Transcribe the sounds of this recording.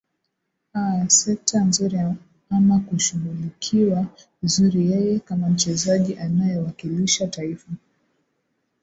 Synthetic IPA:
asɛk̚tʰanzuɾi | amakuʃuɣulikʰiwa | zuɾijɛjɛkamam̩t͡ʃɛzaʄiʔanajɔwakiliʃataifa

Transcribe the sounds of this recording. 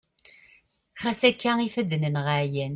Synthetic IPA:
χæsækːæifæðənənʁaʕjæn

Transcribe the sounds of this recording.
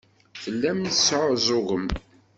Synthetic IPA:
θəlːæmnsʕʊzˤʊɣəm

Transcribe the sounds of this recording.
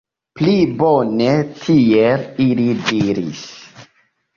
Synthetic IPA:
plibone̞tʰielilidiɾḭs

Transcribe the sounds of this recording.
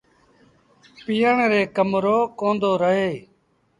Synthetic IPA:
piːəɳɾeːkəmɾoːkõːnd̪oːɾəɦeː

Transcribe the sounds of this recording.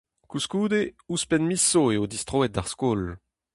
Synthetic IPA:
kuskuːd̪euspɛnmisoeod̪ist̪χoɛt̚d̪aʁskoːl

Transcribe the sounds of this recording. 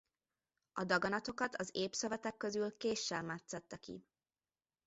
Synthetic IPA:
ɒd̪ɒɡɒnɒt̪o̞kɒt̪ʰɒzeːpsøvɛt̪ɛkːø̞zylkeːʃːɛbmat̪sɛt̪ːɛkḭ

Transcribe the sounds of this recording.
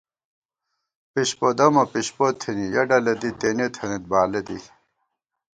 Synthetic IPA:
piɕpod̪ɐmɐpiɕpot̪ʰinijɐɖɐlɐd̪it̪enet̪ʰɐnit̪̚baːled̪ḭ

